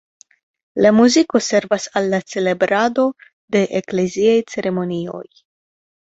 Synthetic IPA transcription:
lamuziko̞se̞ɾvasalːat͡se̞le̞bɾad̪o̞ | d̪e̞ʔekle̞ziajt͡se̞ɾʔe̞mo̞nio̞̰j

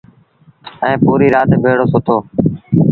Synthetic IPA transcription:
ɛ̃ːpuːɾiːɾaːt̪bʱeːɽoːsʊt̪ʰoː

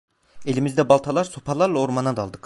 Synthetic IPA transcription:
elʲɪmɪzd̪ɛbɑlˠt̪ʰɑlˠɑɾsopʰɑlˠɑɾlˠɑoɾmɑnɑd̪ɑlˠd̪ɯq

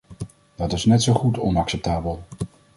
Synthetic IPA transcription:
d̥ɑtɪsnɛtsowχutʰɔ̰nɑksɛp̚taːbəlˠ

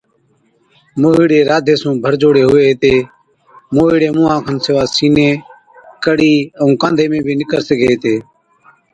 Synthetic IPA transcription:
moːɦiːɽeːɾaːd̪ʱeːsũːbʱəɾd͡ʒoːɽeːɦʊʋeːɦt̪eː | moːɦiːɽeːmʊ̃ːãːkʰənsɪʋaːsiːneː | kəɽiːəũːkãːnd̪ʱeːmẽːbʱiːnɪkəɾsəɡʱeːɦt̪eː

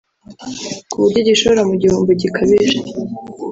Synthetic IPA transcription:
kuβuɾɟoɟiʃoɾamuɟihuːmboɟikʰaβiʒe

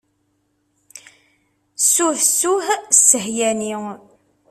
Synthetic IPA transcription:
sːuθsːuhssːəhjæni

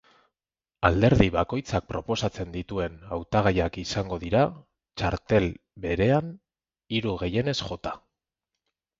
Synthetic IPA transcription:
ald̪e̞ɾðiβako̞jt͡sak̚pɾo̞po̞sat͡se̞nd̪it̪ue̞nawt̪aɣ̞ajakisaŋɡo̞ðiɾa | t͡ʃaɾt̪e̞l | βe̞ɾe̞an | iɾuɣe̞je̞ne̞sʝo̞t̪a

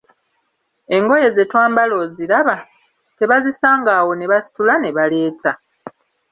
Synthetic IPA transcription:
e̞ŋɡo̞je̞zetwaːmbalo̞ziɾaβa | te̞βazisaːŋɡaːwo̞ne̞βasi̥tulane̞βale̞ːtʰa

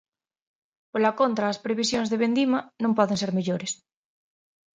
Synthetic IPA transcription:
polakont̪ɾaːspɾeβ̞isjonzðeβend̪imanõmpɔðenseɾmeʎoɾes

